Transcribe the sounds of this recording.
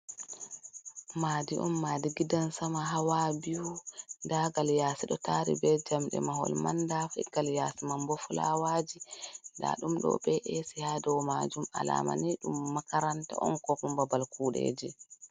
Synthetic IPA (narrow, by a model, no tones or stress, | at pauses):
maːdiʔɔmːaːdiɡidansamaɦawabiwudaɡaljasiɗɔtaɾḭbɛd͡ʒamɗɛ̰maɦɔ̰lmandafɛɡ̥aljasimambɔfula̰wad͡ʒinda̰ɗumɗɔ̰bɛʔɛsihadɛwɔmad͡ʒuma̰la̰ːma̰niɗumːakaɾanta̰ʔɔnkɔkumbabalkuːɗḛːd͡ʒi